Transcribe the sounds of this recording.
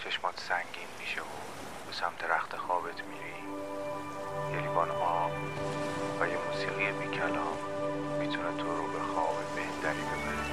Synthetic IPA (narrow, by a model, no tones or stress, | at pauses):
t͡ʃʰeʃmɒːt̪ʰsæŋɟiːnmiːʃeo | b̥esæmt̪ʰeɾæxt̪ʰexɒːbet̪ʰmiːɾi | jelibɒːnʔɒːb | væjemuːsiːɣijemiːcʰælɒːmː | iːt̪ʰunet̪ʰoɾobexɒ̰ːbebehnd̪ʰæɾibe̞bæɾe